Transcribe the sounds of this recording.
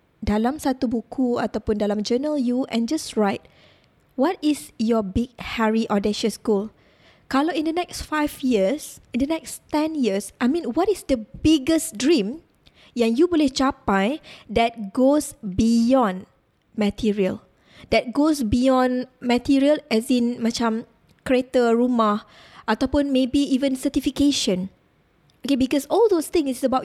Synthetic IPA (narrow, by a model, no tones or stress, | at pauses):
dalãmsat̪ubukʰua̰t̪aʊpũndalãmd͡ʒənəljuʔɛ̃nd͡ʒasɹaɪt̚ | wɔtisjɔbiɡ̚hɛɹiʔɔdeʃəskul | kaloĩndənɛksfajfjisĩndənɛkstɛ̃njiəsajmĩnwɔtisdəbiɡəsdɹĩm | jɛ̃ŋjubɔlit͡ʃapajdɛt̚ɡosbijɔ̃n | mɛtʰiɹiəl | dɛt̚ɡosbijɔ̃nmətiɹiəlɛsĩnmat͡ʃãm | kɹetəɹuma | ʔat̪apũnmebiivə̃nsətifikeʃə̃n | okebikɔsɔldost̪ɪ̃ŋsɪsəbaʊ